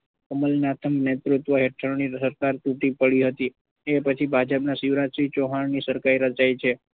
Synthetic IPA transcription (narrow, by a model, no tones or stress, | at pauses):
əməlnat̪ʰəmnet̪ɾut̪ʋəɦeʈʰəɾonisəɾkaɾt̪uʈipəɭiɦət̪i | epət͡ʃʰibʱad͡ʒəpnasiʋɾat͡ʃʃit͡ʃoɦannisəɾkajɾət͡ʃajt͡ʃʰe